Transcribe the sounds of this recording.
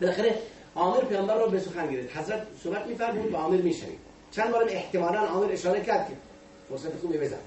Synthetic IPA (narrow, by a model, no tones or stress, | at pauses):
bɪlæxeɾe | ɑːmɪɾpʰeɣæmbæɾːɔːbesʊxænɡɪɾeft̪hazɾæt̪̚sobæt̪mifæɾmuːd̪væɑːmiɾmiːʃæ̰vḭːd̪ | t͡ʃʰænbɑːɾæmeht̪ɪmɑːlænɑːmiɾeʃɑːɾekʰæɾd̪̚kʰe | foɾsæt̪exuːbebezæ̰n